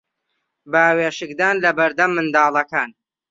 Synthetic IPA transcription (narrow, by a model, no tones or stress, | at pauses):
baːweːʃɨkd̪aːnlɐbɐɾd̪ɐmːɨnd̪ɑːlˠɐkaːn